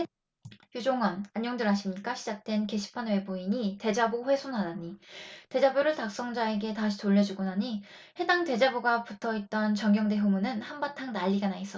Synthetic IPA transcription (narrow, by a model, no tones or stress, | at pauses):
jud͡ʑoŋʌnaɲjoŋdɯɭɦaɕʰimɲik͈aɕʰid͡ʑak̚t͈we̞nke̞ɕʰi̥pʰanwe̞buiɲite̞d͡ʑaboɸwe̞sʰonɦadaɲite̞d͡ʑabuɾɯɭtak̚s͈ʌŋd͡ʑae̞ɡe̞taɕʰi̥toʎːʌd͡ʑuɡonaɲi | he̞daŋte̞d͡ʑabuɡaputʰʌit̚t͈ʌnt͡ɕʌŋɡjʌŋde̞ɦumunɯnhambatʰaŋnaʎːiɡanais͈ʌ